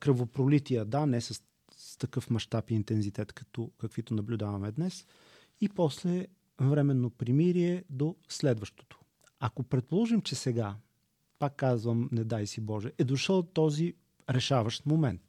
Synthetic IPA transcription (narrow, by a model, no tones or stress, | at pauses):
kɾəvopɾolit̪ijəd̪anɛsəs | t̪ɐkɤfmɐʃt̪apiːnt̪ɛnzit̪ɛt̪kɐ̥t̪ɔkɐkvit̪onɐblʲud̪avɐmɛd̪nɛs | ipɔslɛ | vɾɛmɛnːopɾimiɾiɛd̪oslɛd̪vəʃt̪o̥t̪o̥ | ɐkopɾɛt̪̚polˠɔʒimt͡ʃɛsɛɡa | pakːazvəmnɛd̪ajsibɔʒɛʔɛd̪oʃəlˠt̪ɔzi | ɾɛʃavəʃt̪momɛnt̪